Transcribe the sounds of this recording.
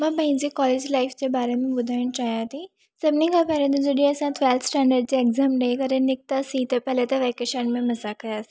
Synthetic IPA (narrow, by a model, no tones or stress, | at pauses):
mãpɐ̃ɦĩd͡ʑekɔːleːd͡ʑlaːɪfd͡ʑebaːɾemẽbʊd̪ʱaːɪɽ̃t͡ɕaːɦijãt̪ʰi | sɐbnĩkʰapɛɾẽnd̪ũd͡ʑɐɖĩɐsãt̪ʰʋɛːlt̪sʈɛ̃ːɳɖəɾɖ̚d͡ʑeekzaːmɾɐɦikɐɾẽnɪk̚t̪asĩt̪ɐpɛɦlet̪ɐʋɛːkeʃənmẽmɐzakɐjaːsi